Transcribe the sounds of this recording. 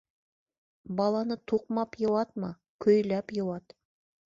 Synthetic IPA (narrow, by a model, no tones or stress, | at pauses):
bɑlˠɑnət̪ʰuq̚mɑpjə̆wɑt̪mɑ | kʲʰɵjlæpjəwɑt̪